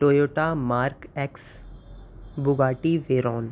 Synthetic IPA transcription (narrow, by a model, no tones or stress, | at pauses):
ʈoːjoːʈamaːɾkɛks | bʊɡaːʈiʋeːɾɔːn